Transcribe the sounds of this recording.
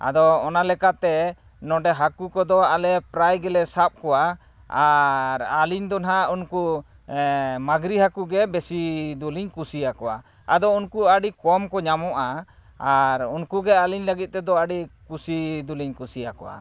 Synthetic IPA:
a̰d̪ɔːnalɛkat̪ɛ | nɔɖɛɦakukɔd̪ɔalɛpɾajɡɛlɛsap̚kɔwa | aɾaliɲd̪ɔnɦaunku | maɡɾiɦakuɡɛbɛsid̪uliɲkusijakɔwa̰ | a̰d̪ɔunkuaɖikɔmkɔɲamɔʔa | aɾunkuɡɛaliɲləɡit̪̚ˀt̪ɛd̪ɔaɖikusid̪uliɲkusijakɔ̰wa̰

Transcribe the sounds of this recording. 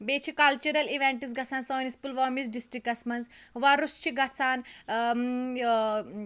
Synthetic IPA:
beːt͡ʃʰikɐlt͡ʃuɾɐliʋeɳʈis̬ɡɐt͡sʰaːnsoːnispulʋɔːmisɖisʈɾikɐsmɐnz | ʋaɾust͡ʃʰiɡɐt͡sʰaːn

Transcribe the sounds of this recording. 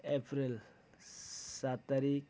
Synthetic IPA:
epʰɾil | sat̪ːaɾik

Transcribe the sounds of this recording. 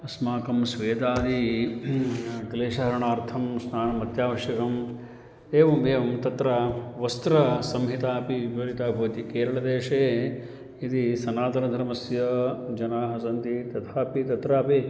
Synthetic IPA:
ɐsmaːkɐmsʋeːd̪aːd̪i | k̪ɐleːʃɐɦɐɾɐɳaːɾt̪ʰɐmsnaːnɐmːɐt̪jaːʋɐʃjɐkɐm | d̪eːʋɐmʋeːʋɐmt̪ɐt̪ɾaːʋɐst̪ɾɐsɐmɦit̪aːpiiʋɐɾit̪aːbʱɐːɐt̪ikeːɾɐɭɐd̪eːʂeː | id̪isɐnaːt̪ɐɾɐd̪ʱɐɾɐmɐsjɐd͡ʒɐnaːɦɐsɐnt̪it̪ɐt̪ʰaːpit̪ɐt̪ɾaːpi

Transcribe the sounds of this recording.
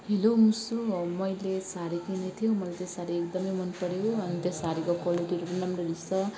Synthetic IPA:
ɦelomusumʌjlesaɾikinet̪ʰijomʌlet̪esaɾiekd̪ʌmʌjmʌnpʌɾejoʌnt̪esaɾikokwaliʈiɾuɾunʌmɾeɾisʌ

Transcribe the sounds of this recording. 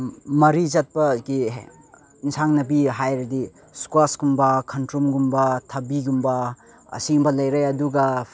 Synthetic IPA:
mɐɾizɐt̚pɐɡi | insaŋnɐbiɦajɾɐdi | skasɡumbɐkʰɐntɾumɡumbɐtʰɐbiɡumbɐ | ɐ̰simbɐlɐjɾɐjɐduɡɐ

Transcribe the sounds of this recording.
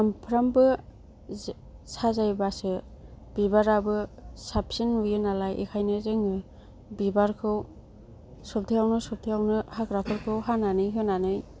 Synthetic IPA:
ampʰɾambɯ | sazajbasɯ | b̥ibaɾabɯsapsinujɯnalajʔḛkʰajnɯzɯŋɯ | bibaɾkʰɯw | sɔp̚tʰijawnɯsɔp̚tʰijawnɯhakɾakʰɯɾkʰɯwɦananɯjɦɯnanɯj

